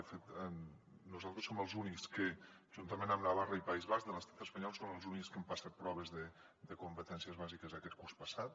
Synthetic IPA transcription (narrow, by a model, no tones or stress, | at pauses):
əfet̪ə | nuzalˠt̪ɾəsoməlˠzunikskə | ʒ̥unt̪əmẽnəmnaβ̞arəipaizβaʒd̪ələst̪at̪əspəɲɔlˠsonəlˠzunikskempasat̪̚pɾɔβ̞əzðə | d̪əkumpət̪ɛnsiəzβazikəzakɛt̪̚kurspəsat̪̚